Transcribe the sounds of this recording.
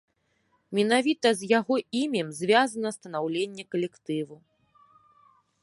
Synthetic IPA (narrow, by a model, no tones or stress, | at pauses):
mʲɛn̪avʲit̪ɐzʲjaɣɔimʲɛmzʲvʲazɐnɐst̪ɐn̪awlʲenʲːɛkɐlʲɛkt̪ɨvu